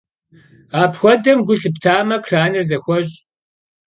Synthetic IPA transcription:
aːpxʷɔdɐmɡʷʊɬɨptʰaːmɐkʰraːnɨrzɐxʷɔɕʼ

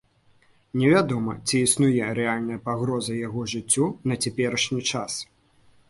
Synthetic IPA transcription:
nʲɛvʲad̪ɔmɐ̰t͡sʲiːsnujɛɾɛalʲnɐjɐpaɣɾɔzɐjaɣɔʐɨt͡sʲːɔnɐt͡sʲapʲɛɾɐʂnʲit͡ʂas

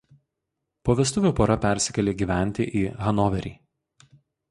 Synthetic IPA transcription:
poːʋʲɛst̪ʊʋʲuːpoːɾɐpʲæˑɾʲsʲɪkʲɛlʲeːɡʲiːʋʲæˑnʲt̪ʲɪʔiːɣɐnɔʋʲɛɾʲḭː

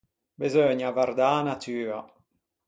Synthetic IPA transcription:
bezøɲavard̪aːnat̪ʰyːa

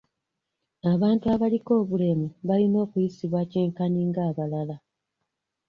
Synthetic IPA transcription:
aβaːntuaβaliko̞ːβule̞muβalino̞ːkujisiβwaceːŋkaniːŋɡaːβalala

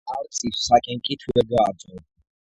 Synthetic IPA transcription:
aɾt͡sʼissakʼɛŋkʼit̪ʰuɛɡaːt͡sʼɔ

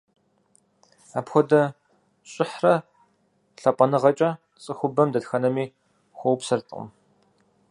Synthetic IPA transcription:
aːpxʷɔdɐ | ɕʼɪħrɐ | ɬɐpʷʼɐnɨʁɐt͡ʃʼɐ | t͡sʼɨxʷʊbɐmdɐtxɐnɐmiː | xʷɔwpsɐrtʼɨqʼʊ̰m

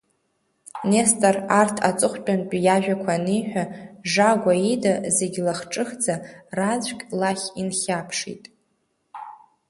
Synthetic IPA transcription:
nestʼarartʰa̰t͡sʼɨχʷt͡pʼanpʼjaʒᶣakʷʰanijħʷᶣaʐaɡʷaidaze̞ɡʲlaχʈ͡ʂʼɨxd͡zarad͡zʷkʲʼlaχʲinχʲapʰʂḭtʼ

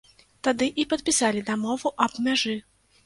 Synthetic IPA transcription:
t̪ad̪ɨʔipɐt̪̚pʲisalʲid̪amɔvuʔɐbmʲaʐɨ

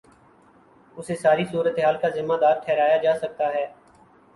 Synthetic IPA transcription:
ʊsesaːɾisuːɾət̪eɦaːlkazɪmːaːd̪aːɾʈʰɛːɾaːjad͡ʒaːsɐk̚t̪aɦɛː

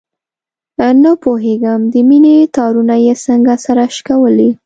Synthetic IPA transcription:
nəpoɦeɡəmd̪əminet̪ɑɾunajesəŋɡasaɾaʃkawəli

